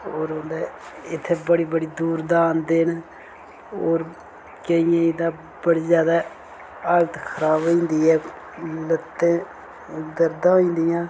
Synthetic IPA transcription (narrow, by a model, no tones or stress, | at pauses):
oːɾõːnd̪eːɪt̪ʰːeːbəɽiːbəɽiːd̪uːɾd̪aːnd̪eːn | oːɾ | kəijãːid̪ãː | bəɽiːzjaːd̪aː | aːlət̪kʰəɾaːbĩːnd̪iːɛː | lət̪ːẽː | d̪əɾd̪ãːoĩːnd̪ɪjãː